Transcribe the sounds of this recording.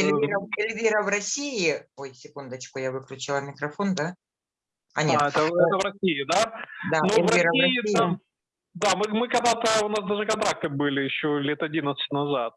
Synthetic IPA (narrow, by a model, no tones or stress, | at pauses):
lʲɾɐɪlʲvʲiɾəvrɐsʲiɪojsʲɪkund̪ət͡ɕkʊjavɨklʲʊt͡ɕɪlˠɐmʲɪkɾɐfo̞nd̪a | ɐnʲeɛt̪əɛt̪əvɾɐsʲiɪd̪ad̪anoɪlʲvɾʲɐiɾɐɐiɪa | d̪amɨmɨkɐɡd̪at̪əʊnasd̪aʐɨkɐnt̪ɾak̚t̪ɨbɨlʲɪjɪɕːolʲet̪ɐdʲinət̪sɨ̥tʲnɐzat̪̚